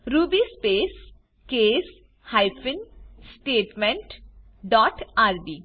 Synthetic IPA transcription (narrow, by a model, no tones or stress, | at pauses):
ɾuːbiːspeːs | keːs | haɪpʰɪnsʈeːʈmẽɳʈ | ɖɔːʈaːɾbiː